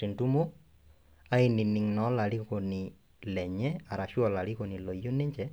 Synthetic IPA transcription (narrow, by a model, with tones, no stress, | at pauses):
ti˨ntu˦mo˦ | a˦ɪ˨nɪ˨nɪ˨ŋnɔ˨˦la˨li˦ko˨ni˨ | lɛ˨ɲɛ˦a˨ɾa˨ʃu˦ɔ˨la˨li˦ko˨ni˨lɔ˨jo˦ni˦ɲt͡ʃɛ˦